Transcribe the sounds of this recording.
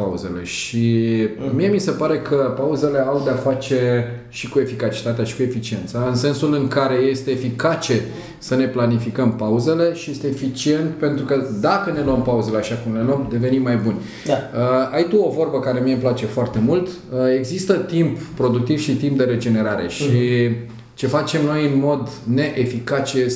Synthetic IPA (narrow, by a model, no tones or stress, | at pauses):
pauze̞le̞ʃimie̞mise̞paɾe̞kʰəpauze̞le̞awd̪eafat͡ʃe̞ | ʃikue̞fikat͡ʃi̥t̪at̪eaʃi̥kue̞fit͡ʃie̞nt̪saɨnse̞nsulɨŋkaɾe̞je̞st̪e̞ːfikat͡ʃe̞ | səne̞planifikəmpauze̞le̞ʃije̞st̪eːfit͡ʃie̞nt̪pe̞nt̪ɾukəd̪akəne̞loəmpauze̞leaʃakumle̞lomd̪e̞ve̞nimːajbunʲ | aəajt̪uo̞vo̞rbəkaɾe̞miemplat͡ʃe̞foart̪e̞mult̪ | əe̞ɡzist̪ət̪imppːɾo̞d̪uk̚t̪iv̥ʃit̪imp̚d̪e̞ɾe̞d͡ʒe̞ne̞ɾaɾe̞̰ʃi | t͡ʃe̞fat͡ʃe̞mno̞jɨnmo̞d̪ne̞ʔefikat͡ʃe